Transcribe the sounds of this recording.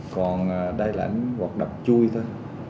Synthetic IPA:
kɔ˨˩nː˨˩ɗə˧jla̰ː˨˧˨ŋwa˨˩k̚ɗə˨˩wk͡p̚t͡ɕu˧jt̪ʰo˧j

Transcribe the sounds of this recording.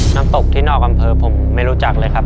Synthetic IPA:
naː˦˥mt̪o˨˩k̚t̪ʰiː˥˩nɔː˥˩k̚ʔa˧mpʰɤː˧pʰo˩˦mːa˥˩jɾu˦˥t͡ɕa˨˩k̚lɤː˧jkʰa˦˥p̚

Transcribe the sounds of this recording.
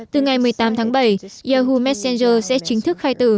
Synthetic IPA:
t̪ɨ˨˩ŋa˨˩jmɨ˨˩əjt̪aː˨˦mt̪ʰaː˨˦ŋɓə˧˩jzaː˧˩ɦu˧mɛ˦˥t̚sɛ˧nzəː˧sɛ̰˧˥t͡ɕï˨˦ŋ̟t̪ʰɨ˦˥k̚xaː˧jt̪ɨ̰˧˨˩

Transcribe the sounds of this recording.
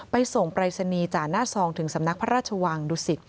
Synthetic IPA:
pa˧jso˨˩ŋpɾaː˧jsa˧niː˧t͡ɕaː˨˩naː˥˩sɔː˧ŋt̪ʰɯ˩˦ŋsa˩˦mna˦˥k̚pʰa˦˥ɾaː˥˩t̪̚t͡ɕʰa˧waː˧ŋduː˧˩si˨˩t̪̚

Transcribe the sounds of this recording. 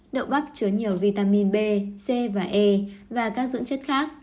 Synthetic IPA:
ɗə̰˧˨wŋ͡mɓa˦˥p̚t͡ɕɨ˨˦əɲi˨˩əwvi˧˩t̪aː˧mi˧nɓe˧se˧vaː˨˩ʔe˧vaː˨˩kaː˦˥k̚zɨ̰˧˥ŋt͡ɕə˦˥t̚xaː˦˥k̚

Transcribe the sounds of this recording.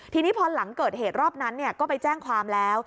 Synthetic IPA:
t̪ʰiː˧niː˦˥pʰɔː˧la˩˦ŋkɤː˨˩t̪̚heː˨˩t̪̚ɾɔː˥˩p̚na˦˥nːi˥˩ɐkɔː˥˩pa˧jt͡ɕɛː˥˩ŋkʰwaː˧mlɛː˦˥w

